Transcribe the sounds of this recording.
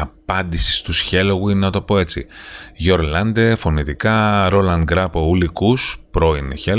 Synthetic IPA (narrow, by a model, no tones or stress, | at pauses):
ɐpɐnd̪isi̥st̪usçe̞loɣuinenɐt̪o̞po̞e̞t͡sḭʝo̞ɾlɐnd̪efo̞nit̪ikɐɾo̞lɐnɡɾɐpoulikuspɾo̞ineçel